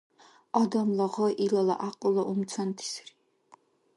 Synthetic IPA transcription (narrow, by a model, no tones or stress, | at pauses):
ɔd̪ɔmlɔʁɔʔilɔla̰ʔaqʼulɔʔumt̪t͡sʰɔnt̪ʰi̥sri̥